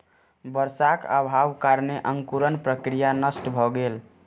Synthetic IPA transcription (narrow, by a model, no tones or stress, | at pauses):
bəɾsakə̰bʱawkaɾneʔəŋkuɾənpɾəkɾijanəsʈbʱɔɡel